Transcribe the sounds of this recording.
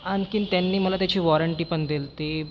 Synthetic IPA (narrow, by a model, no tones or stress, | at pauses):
ankint̪janːiːməlat̪jat͡ɕiːʋɔɾəɳʈiːpəɳd̪ilt̪e